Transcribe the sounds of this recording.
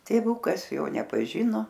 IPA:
tʲeːˈʋʊkɐs ˈjoː nʲɛpɐˈʒʲɪnoː

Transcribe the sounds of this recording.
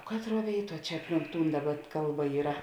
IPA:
ˈkɑːtˌruɔ ˈʋʲeːɪˌtuɔ ˈt͡ʃʲɛ ˈɑːpʲˌlʲɪŋk ˈtuːn ˈdɑːˌbɐ ˈkɐlˠˌbɐ ˈiːrɐ

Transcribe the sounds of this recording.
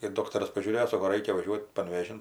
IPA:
ɪr ˈdoːktɐrɐs pɐʒʲuːˈrʲeːjoː ˈsoːkoː ˈrɐɪkʲɛ ʋɐˈʒʲuɔtʲ pɐnʲʋʲeːˈʒʲɪn

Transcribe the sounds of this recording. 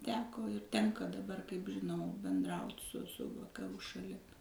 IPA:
ˈtʲæːkoː ɪr ˈtʲɛŋkɐ dɐˈbɐr kɐɪp ʒʲɪˈnɐʊ bʲɛnˈdrɐʊtʲ sʊ sʊ ʋɐkɐˈruː ʃɐˈlʲɪm

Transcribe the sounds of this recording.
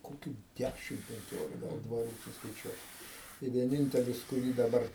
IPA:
koːˈkʲuː ˈdʲæʃʲɪm pʲɛŋʲˈkʲoːlʲɪkɐ ˈɡɐlˠ dʋɐˈruː sʊskɐɪˈt͡ʃʲuɔt tɐɪ ʋʲiɛˈnʲɪnʲtʲɛlʲɪs kʊˈrʲiː dɐˈbɐr

